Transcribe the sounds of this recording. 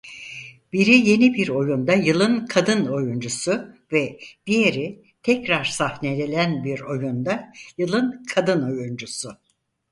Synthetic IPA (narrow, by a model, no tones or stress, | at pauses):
b̥iɾije̞nibiɾo̞jund̪ajɯlˠɯnkʰad̪ɯno̞jund͡ʒusuvɛd̪̥ijeɾi | t̪ʰɛcɾaɾ̥sahned̪elʲænbiɾo̞jund̪ajɯlˠɯnkʰad̪ɯno̞jund͡ʒusʊ